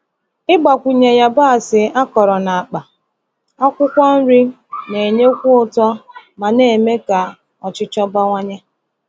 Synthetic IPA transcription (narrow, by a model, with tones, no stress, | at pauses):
ɪ˦ɡ͡ba˨kʷu˨ɲe˨ja˦ba˦a˨sɪ˨a˦kɔ˨ɾɔ˨na˨a˨k͡pa˨ | ɔ˦kʷʊ˦kʷɔ˦n̩˦ɾi˦ | ne˨ɲe˦kʷʊ˦ʊ˨tɔ˦ma˨ne˨me˦ka˨ | ɔ˨t͡ʃɪ˦t͡ʃɔ˦ba˦ŋʷa˦ɲa˦